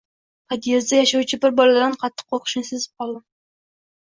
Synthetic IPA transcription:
pʰɑd̪ijezd̪ajɑʃɑwt͡ʃʰɪbɪɾbɒlˠaad̪ɨnqʰɑt̪ʰːɨ̥q̚ʰːoɾqʰʊ̥ʃnɪsɪzɪ̥p̚qʰɑlˠd̪ɪm

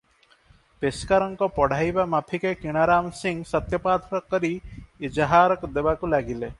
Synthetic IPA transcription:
peskaɾɔŋkɔpɔɽ̤ʱajbamapʰikekiɽ̃aɾaːmsiŋɡsʌt̪jɐpaːt̪ʰɾɔkːəɾiid͡ʒəɦaːɾɔkd̪ebakulaɡile

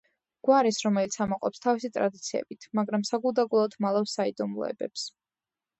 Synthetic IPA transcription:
ɡ̥waɾisɾɔmɛlit̪sʰamɔqʼɔpst̪ʰavisit̪ʼɾad̪it̪sʰiɛ̰bit̪ʰmaɡɾamsaɡulˠd̪aɡulˠɔt̪ʰmalˠafsaid̪ɔmlˠɔ̰ɛ̰bɛps

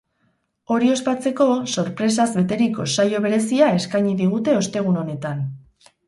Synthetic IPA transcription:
o̞ɾio̞spat͡se̞ko̞so̞ɾpɾe̞s̬azβe̞t̪e̞ɾiko̞sajo̞β̞e̞ɾe̞siae̞skajɲiðiɣ̞ut̪e̞o̞st̪e̞ɣ̞uno̞ne̞t̪an

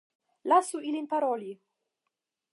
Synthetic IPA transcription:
lasuilinpaɾɔli

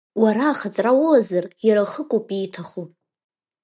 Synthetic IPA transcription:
waɾaːχat͡sʼrawʊlazarjaɾaχəkʷʼupʼiːtʰaχu

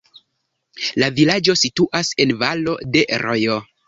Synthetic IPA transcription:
lavilad͡ʒo̞situʔase̞nvalo̞de̞ɾojo

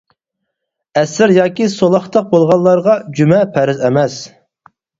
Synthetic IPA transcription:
ɛsɪɾjɑːkʲisolˠɑχt̪ʰɑq̚bolˠʁɑllːˠɑɾʁɑd͡ʒymɛpʰɛɾɪzɛmɛs

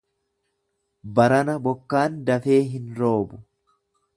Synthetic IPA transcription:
bɐɾɐnɐbɔkːaːnd̪ɐfe̞ːɦɪnɾo̞ːbʊ

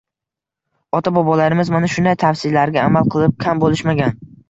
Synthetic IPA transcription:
ɒt̪ʰabɒbɒlaɾɪmɪzmanaʃʊnd̪ajt̪ʰafsɪlaɾɡʲaːmalˠqʰɨlˠɪp̚kʲʰambolɪʃmaɡʲan

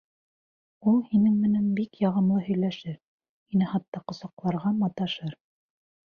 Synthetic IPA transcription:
ulˠhinɘŋmɘ̆nænbikjɑʁɤ̆mlˠɤɦɵ̆jlæʃɘɾ | hinɘhɑt̪ːɑqŏsɑqlˠɑɾʁɑmɑt̪ɑʃɤɾ

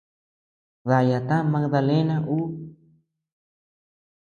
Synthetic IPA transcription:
ðajat̪amak̚d̪alenaʔu

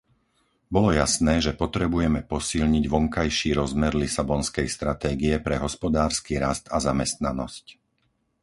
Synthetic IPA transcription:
bɔlɔjasnɛːʒɛpɔt̪ɾɛbujɛmɛpɔsilɲiɟʋɔŋkajʃiːɾɔzmɛɾlisabɔnskɛjst̪ɾat̪ɛːɡiɛpɾɛɦɔspɔd̪aːɾskiːɾast̪azamɛst̪nanɔ̰sc

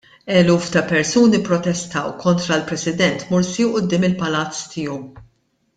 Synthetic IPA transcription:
ɛluːft̪ɐpɛɾsuːnipɾɔt̪ɛst̪ɐwkʰɔnt̪ɾɐlpɾɛsɪd̪ɛnt̪mʊɾsiwʔʊd̪ːɪːmɪlpɐlɐt͡st̪ʰɪːɔw

